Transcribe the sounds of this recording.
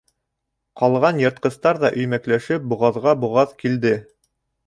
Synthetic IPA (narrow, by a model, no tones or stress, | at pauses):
qɑlˠʁɑnjɤ̆ɾt̪̚qɤ̆st̪ɑɾðɑʔɵ̆jmæklæʃɘp̚buʁɑðʁɑbuʁɑðkild̪ɘ